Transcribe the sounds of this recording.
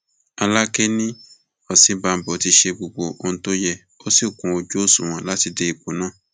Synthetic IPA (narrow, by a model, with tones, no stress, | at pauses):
a˧la˦ke˦nĩ˦ | ɔ˨sĩ˨˦ba˨˧m̩˨bɔ˨ti˧ʃe˧ɡ͡bo˨ɡ͡bo˨o˧n̩˨˦to˦jɛ˦˨ | o˦si˦˨kũ˨o˨d͡ʒo˨˦˨sũ˨w̃ɔ̃˨˦la˦ti˧de˧i˨k͡po˨˦nãː˦˨